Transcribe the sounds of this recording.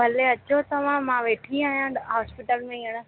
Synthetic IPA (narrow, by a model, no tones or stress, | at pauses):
bʱɐleɐt͡ɕot̪ɐʋ̤ãmãʋeːʈʰiaːɦijãɦaːspɪʈəlmẽiəɽ̃ə